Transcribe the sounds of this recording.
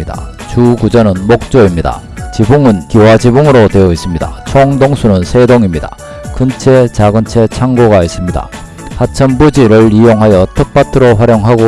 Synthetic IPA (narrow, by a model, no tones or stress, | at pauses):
da̰ | t͡ɕukud͡ʑʌnɯnmok̚t͡ɕ͈oimɲida̰ | t͡ɕibuŋɯnkiwad͡ʑibuŋɯɾotwe̞ʌis͈ɯimɲida̰t͡ɕʰoŋdoŋsʰunɯnsʰe̞doŋimɲida̰ | kɯnt͡ɕʰet͡ɕaɡɯnt͡ɕʰe̞t͡ɕʰaŋɡoɡais͈imɲida̰ | hat͡ɕʰʌmbud͡ʑiɾɯɭijoŋɦajʌtʰʌk̚p͈atʰɯɾoɸwaɾjoŋɦaɡo